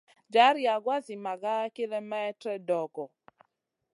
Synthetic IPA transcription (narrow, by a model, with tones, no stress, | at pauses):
d͡ʒa˦ɾja˨ɡwa˦sɪ˨ma˨ɡa˦kɪ˦le˦mɛ˦ɛ˦tɾɛ˦dɔ˨ɡɔ˨